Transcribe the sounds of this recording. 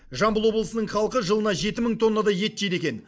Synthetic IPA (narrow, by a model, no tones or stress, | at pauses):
ʒɑmbəlˠwo̞blˠəsənəɴχɑlˠəqəʒəlˠənɑʒe̞t̪ɪməɴt̪ʰo̞nːɑd̪ɑje̞t̪ːejd̪e̞kʲe̞n